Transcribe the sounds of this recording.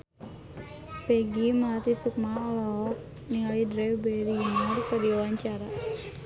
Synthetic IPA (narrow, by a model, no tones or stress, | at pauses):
pɛɡimalat̪isuk̚maɔlɔk̚ | niŋalidɾɛbɛɾimɔrkədiawaɲt͡ʃaɾa